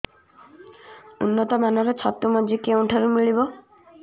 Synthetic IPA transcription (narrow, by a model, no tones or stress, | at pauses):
unːɔt̪ɔmanɔɾɔt͡ʃʰɔt̪umɔd͡ʒikeũʈʰaɾumiɭibɔ